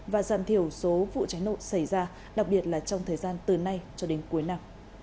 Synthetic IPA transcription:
vaː˨˩zaː˧˨mt̪ʰi˧˩əwso˨˦vṵ˧˨t͡ɕaː˨˦jno̰˧˨sa˧˩jzaː˧ | ɗa˨˩k̚ɓi˨˩ət̚laː˨˩t͡ɕɔ˧wŋ͡mt̪ʰəː˨˩jzaː˧nt̪ɨ˨˩na˧jt͡ɕɔ˧ɗe˨˦nku˨˦jna˧m

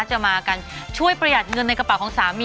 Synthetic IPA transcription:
a˦˥t͡ɕa˨˩maː˧kaː˧nt͡ɕʰu˥˩əjpɾa˧ja˨˩t̪̚ŋɤ˧nːa˧jka˧pa˨˩wkʰɔː˩˦ŋsaː˩˦miː˧

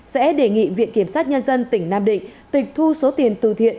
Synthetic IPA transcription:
sɛ̰˧˥ɗe˧˩ŋḭ˧˨vḭ˧˨ənki˧˩əmsaː˦˥t̚ɲə˧nzə˧nt̪ï˧˩ŋ̟naː˧mɗï˧˨ŋ̟t̪ï˨˩k̟̚t̪ʰu˧so˨˦t̪i˨˩ənt̪ɨ̰˧˨t̪ʰḭ˧˨ən

